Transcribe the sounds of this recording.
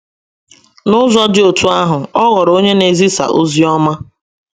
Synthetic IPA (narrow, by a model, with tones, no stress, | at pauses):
nʊ˦zɔ˦d͡ʒɪ˦o˨tu˦a˦ɦʊ˨ɔ˦ɣɔ˨ɾo˦ɲe˦ne˨zi˦sa̰˨ʔo̰˦zi˦ɔ˦ma˦